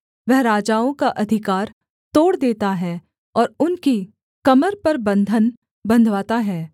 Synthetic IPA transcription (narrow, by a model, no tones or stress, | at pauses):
ʋɛɦɾaːd͡ʒaːõkaʔɐd̪ʱɪkaːɾ | t̪oːɽd̪eːt̪aɦɛː | ɔːɾʊnki | kɐməɾpɐɾbɐ̃nd̪ʱən | bɐ̃nd̪ʱʋaːt̪aɦɛː